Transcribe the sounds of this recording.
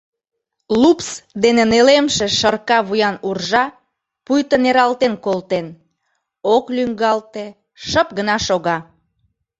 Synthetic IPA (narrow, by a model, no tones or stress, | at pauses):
lupsd̪enenelemʃeʃərkɑβujɑnurʒɑ | pujt̪əneɾɑlt̪enkolt̪en | oklyŋɡɑlt̪e | ʃəp̚ɡənɑʃoɣɑ